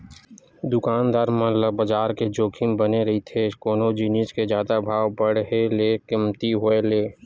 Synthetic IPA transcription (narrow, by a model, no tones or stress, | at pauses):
d̪ʊkaːnd̪aːɾmɐ̃ləbəd͡ʒaːɾked͡ʒoːkʰimbɐneɾɐɦit̪ʰekoːnod͡ʒiːniːt͡ʃked͡ʒjaːd̪abʱaːʋbɐɽ̤ɦeleːkɪmt̪iɦoeleː